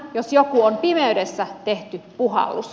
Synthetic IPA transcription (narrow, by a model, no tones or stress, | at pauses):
josjokuompimeydesːæt̪eht̪ypuɦɑ̰lːus